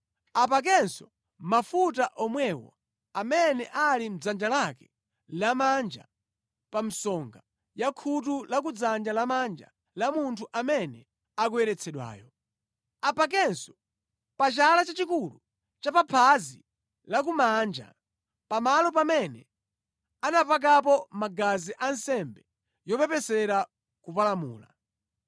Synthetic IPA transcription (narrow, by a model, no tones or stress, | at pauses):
ap̬ak̬ɛnsɔ | mafutaʔɔmwɛwɔ̰ | amɛnɛʔalim̩d͡zand͡ʒalakɛ | lamand͡ʒa | pam̩sɔŋɡa | jakʰut̬ulak̬ud͡zand͡ʒalamand͡ʒa̰ | lamuntʰuʔamɛnɛ | ak̬uɛɾɛt͡sʰɛɗwa̰ːjɔ | apak̬ɛnsɔ̥ | pat͡ʃalat͡ʃat͡ʃikulu | t͡ʃapapʰazi | lak̬umand͡ʒa̰ | pamalɔpamɛnɛ | anapak̬ap̬ɔmaɡaziʔansɛmbɛ | jɔpɛpɛsɛɾa | kupalamṵːla̰